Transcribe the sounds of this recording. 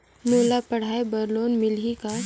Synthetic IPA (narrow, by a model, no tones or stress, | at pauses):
noːlapɐɽ̤aːebɐɾloːnmɪlika